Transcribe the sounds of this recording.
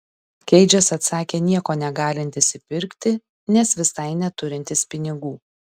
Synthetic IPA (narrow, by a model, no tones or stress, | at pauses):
kʲɛɪd͡ʒʲɛsɐt̪sɑːkʲeːnʲiɛkoːnʲɛɡɑːlʲɪnʲt̪ʲɪsʲɪpʲɪɾʲkʲt̪ʲɪ | nʲɛsʋʲɪsɐɪnʲɛt̪ʊɾʲɪnʲt̪ʲɪspʲɪnʲɪɡuː